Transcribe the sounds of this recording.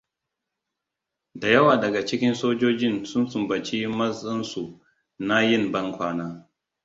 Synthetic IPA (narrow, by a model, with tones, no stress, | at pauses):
da˨jɐ˦waː˨dɐ˨ɡa˨t͡ʃɪ˦kʲɪ˦nsoː˦d͡ʒoː˦d͡ʒɪ˦nsʊ˦nsʊ˨mbɐ˨t͡ʃi˦mɐ˦sʼɪ˦nsu˨ | na˦jɪ˦˨mbɐ˦ŋkʷaː˦naː˦